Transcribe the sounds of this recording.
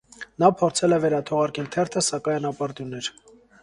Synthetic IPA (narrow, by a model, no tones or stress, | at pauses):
nɑpʰɔɾt͡sʰɛlɛvɛɾɑt̪ʰɔʁɑɾkɛlt̪ʰɛɾt̪ʰəsɑkɑjnɑpɑɾt̪junːɛɾ